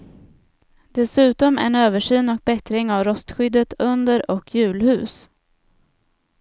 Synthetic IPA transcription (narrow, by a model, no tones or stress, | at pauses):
d̪ɛsʉ̟ːt̪ɔmɛ̰ɳøːvəʂyːnɔk̚bɛt̪ɾɪŋavɾɔst̪ɧʏd̪ːət̪ɵnd̪əɾɔkʰːjʉ̟ːlhʉ̟ːs